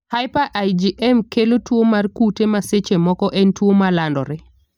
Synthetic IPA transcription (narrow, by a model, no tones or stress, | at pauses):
hajpaʔajd͡ʒiʔɛmkelotwomarkutemaset͡ʃemɔkɔʔɛntwomalandɔɾɛ